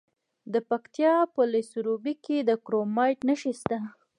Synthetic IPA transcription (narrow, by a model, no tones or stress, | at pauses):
d̪əpakt̪jɑpəlesɾobiked̪əkɾomɑjʈnəʃist̪a